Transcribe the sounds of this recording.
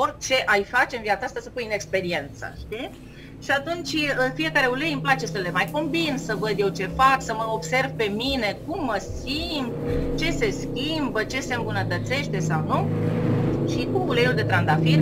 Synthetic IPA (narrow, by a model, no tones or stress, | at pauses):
or̚t͡ʃe̞ʔajfat͡ʃe̞ɨnviat̪saast̪asəpujɨne̞kspe̞ɾie̞nt̪sə̰ʃt̪i | ʃiat̪unt͡ʃʲəfije̞kaɾe̞ulejɨmplat͡ʃe̞səle̞majko̞mbinsəvəd̪je̞wt͡ʃe̞faksəməobse̞rvpe̞mine̞kumːəsimt̪t͡ʃe̞se̞skʲimbət͡ʃe̞se̞ɨmbunət̪ət̪se̞ʃt̪e̞sawnu | ʃikumulejuld̪e̞t̪ɾand̪afin